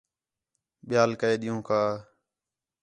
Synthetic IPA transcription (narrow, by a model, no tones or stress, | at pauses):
ɓɪjaːlkəeːɗɪjũːkʰaː